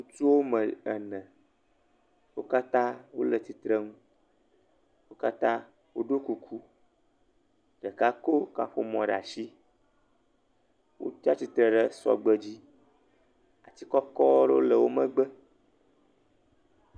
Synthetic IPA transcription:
ŋũ˦t̪u˦wo˦mə˨ɛ˨nɛ̃˨ | wo˦ka˦t̪ã˦wo˦lə˨t̪i˨t̪ɾə˦ŋũ˦ | wo˦ka˦t̪ã˦ | wo˦ɖo˦ku˦kʰu˦ | ɖ̥ə˨ka˦ko˦ka̰˨ɸo˦mɔ̃˨ɖa̰˨ʃi˦ | wo̰˦ta˦t̪i˦t̪ɾə˨ɖə˦sɔ̰˨ɡ͡bə˦d͡ʑi˦ | a˨t̪i˦kɔ˦kɔ˦ɖo˦lə˨wo˦mə̃˦ɡ͡bə˦

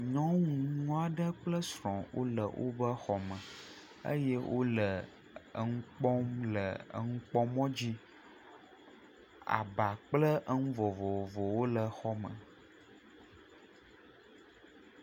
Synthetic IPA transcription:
ɲɔ̃˦ŋũ˨nũ˦a˨ɖə˦k͡plə˦sɾɔ̃˨wʔo̰˦lə̰˨wʔo̰˦bə˦xɔ˨mə̃˨ | ə̰˦jɛ˦wʔo˦lə˨ | ə̰˨ŋũ˦k͡pɔ˦mlə˨ə̰˦ŋ̩̃˦k͡pɔ˦mɔ̃˦d͡ʑi˦ | a̰˨ba˨k͡plə˦ʔə˦ŋũ˦vɔ˨vɔ˨vɔ˨wo˦lə˨xɔ˦mə̰̃˨

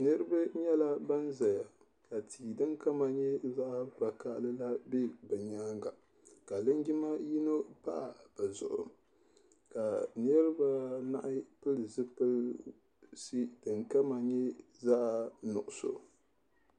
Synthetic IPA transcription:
nɨ˦ɾɨ˦ba˦ɲɛ˦la˦ba˦nza˨ja˨ | ka˨tʰiː˨dɨ˦ŋka˦ma˨ɲɛ˦za˦ʔba˨ka˦ʔlɨ˦la˦be˦bɨ˨ɲaː˦ŋɡa˨ | ka˨lɨ˦nɡɪ˦ma˦ji˦no˦pa̰˦ʔa˨b̥ɨ˨zʊ̰˨ʔʊ̰˨ | ka˨nɨ˦ɾɨ˦ba˦na̰˦ʔɪ˦pɨ˦lɨ˨zɨ˦pɨ˦l | si˦dɨ˨ŋka˦ma˨ɲɛ˦ | za˦˨nʊ̰˨ʔʊ˨so̰˨

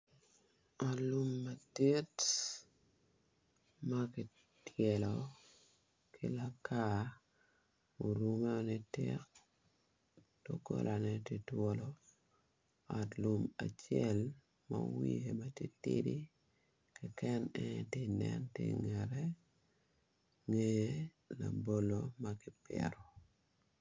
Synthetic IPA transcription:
alu˦mːa˨te˦t | makɪ˨ | tʰjɛ˨lɔ | kʰɪla˦ka | o˨ɾu˨mɛ˦o˨ne˦tek̚ | d̥oko̰˦lʔa˨nɛ˦ti˦twolo | a˨tlʊma̰˨t͡ʃjɛl | ma̰wie˨ma˦ti˦tidi˦ | kɛkɛ˦nɛtɪ˦nɛntɪŋɛɾɛ | ŋe | la˨bo˦lo˦makɪ˦pɛ̰ɾɔ˨

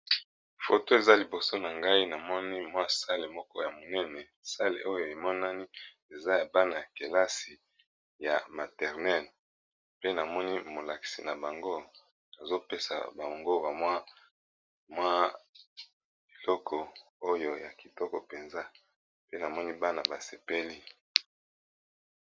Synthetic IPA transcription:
fo˨to˦e˨za˦li˨bo˨so˦na˨ŋɡa˦i˦na˨mɔ˦ni˦mwa˦sa˦le˨mɔ˦kɔ˦ja˨mo˨nɛ˦nɛ˨ | sa˦lḛ˨ʔo˦jo˨e˨mɔ˦na˦ni˦ | e˨za˦ja˨ba˦na˨ja˨ke˨la˦si˨ | ja̰˨ma˨tɛ˨ʁnɛ˦˨l | pe˦na˨mɔ˦ni˦mo˨la˨ki̥˨si˨na˨ba˨ŋɡo˦ | na˨zo˦pe˦sa̰˨ba˨ŋɡo˦ba˨mwa˦ | mwa˦ | b̥i˨lɔ˦kʰɔ˨ | o˦jo˨ja˨ki˨tɔ˦kɔ˨pe˨nza˦ | pe˦na˨mɔ˦ni˦ba˦na˨ba˨se˨pe˦li˦

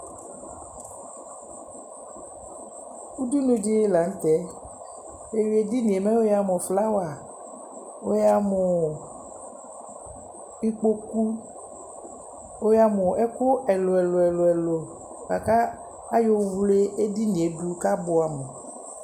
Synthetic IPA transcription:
u˦du˦nũ˦d͡ʒe˦la˨ŋ˦t̪ɛ˦ | e˨wi˨˦e˨di˦nĩ˨e˨mɛ̃˦wo˦ja˨mɔ˨fla˦wa˨ | wo˦ja˨mɔ˨ | i˦k͡po˦ku˦ | wo˦ja˨mɔ˨ʔɛ˦ko˦ʔɛ˨lo˨ɛ˨lo˨ɛ˨lo˨ɛ˨lo˨ | ka˨ka˦ | a˦jo˦wu˦le˦e˦di˦ni˨e˨du˦ka˦bo˨a˨me˨

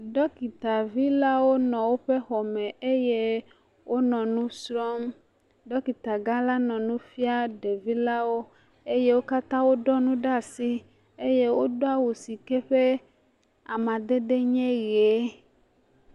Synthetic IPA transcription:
ɖɔ˦ki˨t̪a˨vi˦la˦wo˦nɔ̃˨wo˦ɸe˦xɔ˨mɛ̃˨e˦je˦ | wʔo˦nɔ̃˨nũ˦sɾɔ˦m | ɖɔ˦ki˨t̪a˨ɡa˦la˦nɔ̃˨nũ˦fi˦a˦ɖe˨vi˦la˦wo˦ | e˦je˦wo˦ka˦t̪ã˦wo˦ɖɔ˦nũ˦ɖa˦˨si˦ | e˦je˦wo˦ɖo˦a˦wo˨si˨ke˦ɸe˦ | a˨mã˨d̪e˦ɖe˦ɲɛ̃˦ɣe˨˦

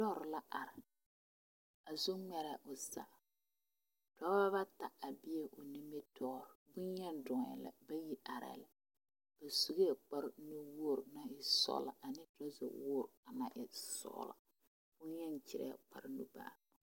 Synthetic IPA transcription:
dɔ˦˨ɾɪ˨la˦ʔa˨ɾɪ˨ | a˨zu˦ŋ͡mɛ˨ɾa˨ʔʊ˨sa̰˨ | d̥ɔ˦ba˦βa˦ta˨a˨bɪ˦e˦ʔʊ˨ni˦me˦tʰɔː˦˨ɾbʊ˦nɲɛ˦dɔ˨ŋ˨ɛ̰˨la̰˨ba˦ji˦ʔa˨ɾɛ̰˨la˨ | b̥a˨su˨ɡe˦˨k͡pa˦ɾnu˦wʊ˦˨ɾna˦ɪ˨sɔ̰˦la̰˨ʔa˨nɪ˦tɔ˦za̰˨wʊ˦˨ɾa˨na˦ʔɪ˨sɔ̰˦la̰˨ | b̥ʊ˦njɛ˦nt͡ʃɪ˨ɾɛ̰˦˨k͡pa˨ɾnu˦ba̰ː˨

